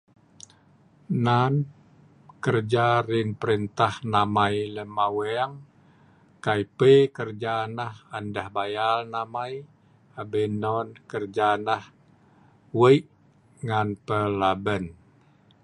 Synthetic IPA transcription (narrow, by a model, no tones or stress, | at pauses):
nan | kərd͡ʒarɪnpəɾint̪ahnamailəmawɛaŋ | kaipekərd͡ʒanahandahbajalnamaj | abɛnɔnkərd͡ʒanah | wəjʔ | ŋanpəlabən